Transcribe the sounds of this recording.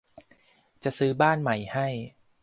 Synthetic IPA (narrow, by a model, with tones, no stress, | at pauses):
t͡ɕa˨˩ʔsɯː˨˦˥baː˥˩nma˨˩jha˥˩j